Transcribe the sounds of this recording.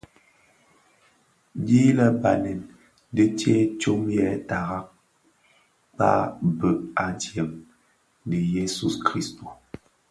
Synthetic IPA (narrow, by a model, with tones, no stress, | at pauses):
bi˦lə˦ba˨nɛ˨n | də˦te˦t͡ʃo˦mjɛ˦˨ta˨ɣa˦k̚ | pa̰˦bə˨ʔa˨djɛ˨m | nə˨je˦su˦skɾi˦sto˨